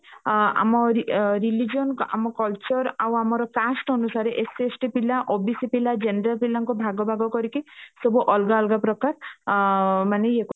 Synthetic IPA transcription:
a̰mɔɾɾilid͡ʒijɔnka̰mɔkɔlt͡ʃɔɾawamɔɾɔkasʈɔnusaɾeʔesesʈipilaʔobisipilad͡ʒenɾalpilaŋkɔbʱaɡɔbʱaɡɔkɔɾikisɔbuʔɔlɡaɔlɡapɾɔkaɾ | maneek

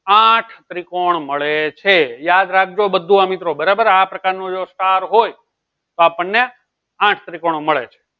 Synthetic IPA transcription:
ãʈʰt̪ɾikoɳməɭet͡ʃʰejad̪ɾak̚ʰd͡ʒobəd̪ʱːũamit̪ɾobəɾabəɾapɾəkaɾnõd͡ʒosʈaɾɦoj | t̪oapəɳːe | ãʈʰt̪ɾikoɳ̃oməɭḛt͡ʃʰe̥

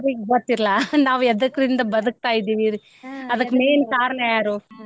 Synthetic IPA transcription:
ɾibɐːt̪ːiɾlaːnaːʋɛðɐkːɾɪnd̪ɐbɐðɯk̚t̪aːjɪðiʋiɾ | ɐðɐkːmeːnkaːɾɐɳɐjaːɾu

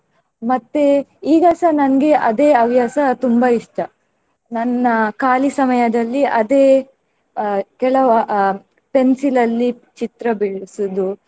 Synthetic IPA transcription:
mɐt̪ːeiːɡɐsɐnɐnɐɡe̞ʔɐd̪e̞ːɐʋjaːsɐt̪umbɐiʂʈɐ | nɐnːɐkaːlisɐmɐjɐd̪ɐlːiʔɐd̪eː | kɛɭɐʋɐ | pensilɐlːi | t͡ʃit̪ɾɐbiɭsud̪u

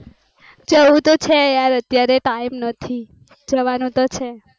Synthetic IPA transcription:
d͡ʒəũt̪ot͡ʃʰejaɾət̪jaɾeʈaimnət̪ʰi | d͡ʒəʋanũt̪ot͡ʃʰe

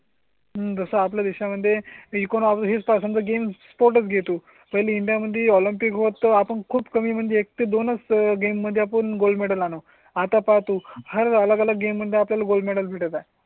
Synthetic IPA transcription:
ɦəd͡zəsəap̬ljad̪iɕaməd̪ʱːjeikoɽ̃apɦit͡spasəmd͡zəɡemspoɾʈ̬ət͡sɡʱet̪uː | pəɦjleiɳɖijaməd̪ʱːjeɔlimpikɦot̪ːəapəɳkʰuːbkəmiːm̤əɳd͡zeːk̚t̪ed̪onət͡sɡemːəd̪ʱːjeapəɳɡolmeɽəlano | at̪apat̪uhəɾələɡələɡɡemːəd̪ʱːjeapljalaɡolɖmeɽəlbʱiʈət̪a

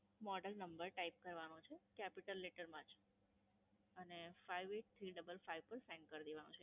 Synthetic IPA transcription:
mɔɖəlnəmbəɾʈaip̚kəɾʋanõt͡ʃʰekɛpiʈəlːeʈəɾmãt͡ʃʰ | ənefaiʋeʈ̚t̪ʰɾiɖəbəlfaijʋpəɾsɛ̃ŋɡkəɾd̪eʋanṵ̃t͡ʃʰe

